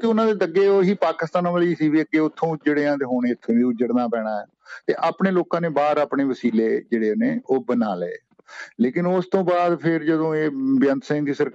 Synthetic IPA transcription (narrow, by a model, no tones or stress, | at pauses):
t̪eʊnãːd̪eːd̪əɡeːoːɦiːpaːkɪst̪aːnãːʋəːliːsiːʋiːəɡeːʊt̪ʰːõːd͡ʒɽeãːt̪eːɦoːɽ̃eːɪt̪ʰːeːʋĩːʊd͡ʒəɽnaːpɛːɽ̃aːɛː | t̪eːʔaːpɳeːloːkãːneːbaːɾaːpɳeːʋəsiːleːd͡ʒeːɽeːneːoːbənaːlḛː | leːkɪnost̪õːbaːd̪pʰɪɾd͡ʒəd̪õːeːbjənt̪sɛ̃nd̪iːsəɾ